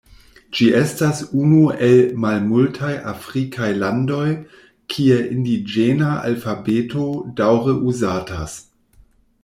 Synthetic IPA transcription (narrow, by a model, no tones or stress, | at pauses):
d͡ʒiʔestasunuelmalmultʰajʔafʁikʰajlando̞j | kʰieʔindid͡ʒenaʔa̰lfabetodawɾəʔuzatas